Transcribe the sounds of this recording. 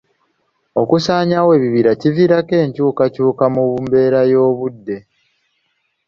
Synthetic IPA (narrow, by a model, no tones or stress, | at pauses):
o̞kusaːɲawe̞ːβiβiɾaciviɾake̞ːɲcuːkacuːkamuβumbe̞ːɾajo̞ːβudːe̞